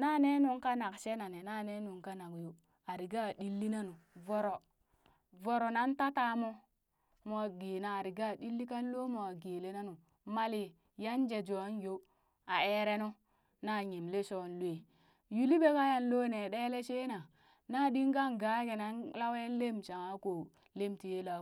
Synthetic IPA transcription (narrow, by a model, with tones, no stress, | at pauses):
na˦ne˦nu˦ŋka˦na˨kʃe˦na˨ne˨na˦˨ne˦nu˨ŋka˦na˨kju˨ | a˨ɾi˨ɡa˦˨di˦lːi˦na˦nu˨vo˨ɾo˨ | vo˨ɾo˨na˦nta˦ta˦mo˦ | mo˨a˨ɡeː˨naː˨ɾi˨ɡa˦˨di˦lːi˦ka˦nlo˦mo˨a˨ɡe˨le˦na˦nu˨ | ma˦li˨ | ja˦nd͡ʒe˨d͡ʒo˨a˦n˦jo˦ | a˨e˦ɾe˦no˦ | na˦˨ɲe˨mle˦so˨n˦lu˦e˨ | ju˨li˦be˦ka˦ja˦nlo˦ne˨ɗe˦le˦ʃe˦na˨ | na˦˨di˦ŋɡa˦ŋɡa˨˦ɡe˨na˦nla˦we˦n˦le˦mt͡ʃa˨ŋa˦ko˨ | le˦mti˨je˦la˨˦